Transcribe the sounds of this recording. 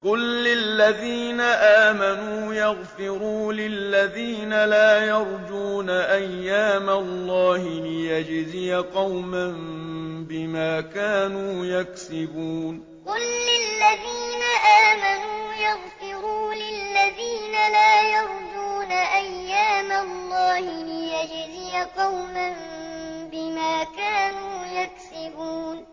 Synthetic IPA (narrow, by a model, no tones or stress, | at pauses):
qʊlːɪlːaðiːnaʔaːmanuːjɑɣfɪɾuːlɪlːaðiːnalaːjɑɾˤd͡ʒuːnaʔajːaːmalˤːɑːhɪlɪjad͡ʒzɪjaqɑwmambɪmaːkaːnuːjaksɪbuːn | qʊlːɪlːaðiːnaʔaːmanuːjɑɣfɪɾuːlɪlːaðiːnalaːjɑɾˤd̪uːnaʔajːaːmalːɑːhɪlɪjad͡ʒzɪjaqɑwmanbɪmaːkaːnuːjaksɪbuːn